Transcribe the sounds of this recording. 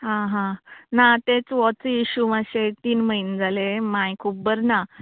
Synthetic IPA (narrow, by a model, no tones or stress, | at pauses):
ɦãɦãnat̪et͡sʋɔt͡siiɕumaɕet̪iːnməind͡zalemãjkʰubəɾna